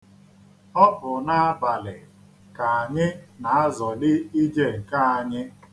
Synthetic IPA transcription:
ɔ˦bʊ˨na˦a˦ba˨lɪ˨ | ka˨a˨ɲɪ˦na˨a˦zɔ˨dɪ˦i˦d͡ʒe˦˨ka˦a˨ɲɪ˦

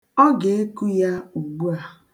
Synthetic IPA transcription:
ɔ˦ɡe˨e˦ku˦ja˦u˨ɡ͡bu˦a˨

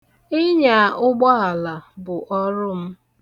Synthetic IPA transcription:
ɪ˦ɲa˨ʔʊ˦ɡ͡bɔ˦a˨la˨bʊ˨ʔɔ˦ɾʊ˦m̩˦

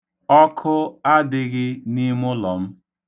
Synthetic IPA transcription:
ɔ˦kʰʊ˦a˦dɪ˨ɣɪ˦ni˦mʊ˦lɔ˨m̩˦

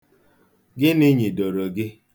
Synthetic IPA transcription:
ɡɪ˦nɪ˦ɲi˨do˨ɾo˨ɡɪ˦

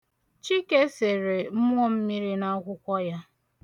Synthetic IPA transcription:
t͡ʃi˦ke˦se˨ɾe˨m̩˦mʷ˦ɔ˦m̩˦mi˦ɾi˦na˦kʷʊ˦kʷɔ˦ja˦

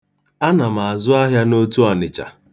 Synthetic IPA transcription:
a˦na˨ma˨a˨zʊ˦a˦ɦja˦no˦tu˦a˨nɪ˨t͡ʃa̰˨

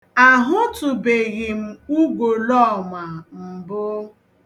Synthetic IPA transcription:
a˨ɦʊ˦tʊ˨be˨ɣɪ˨m̩˨u˦ɡo˨lɔ˦˨ma˨m̩˨bʊ˦

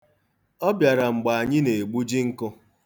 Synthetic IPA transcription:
ɔ˦bja˨ɾa˨ŋ͡m̩˨ɡ͡ba˨a˨ɲɪ˦ne˨ɡ͡bu˦d͡ʒi˦ŋ̩˦kʊ˦

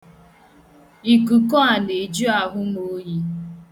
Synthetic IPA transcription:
i˨ku˨kɔ˦a˨ne˨d͡ʒu˦a˨ɦʊ˦mo˦ji˦

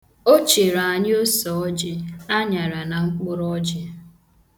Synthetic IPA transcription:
o˦t͡ʃe˨ɾa˨a˨ɲɪ˦o˦sɔ˨ɔ˦d͡ʒɪ˦a˦ɲa˨ɾa˨na˨ŋ͡m̩˦k͡pʊ˦ɾɔ˦d͡ʒɪ˦

